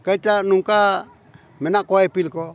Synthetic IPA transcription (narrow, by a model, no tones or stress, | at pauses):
kait̪anuŋka | mɛnakoɛpilkɔ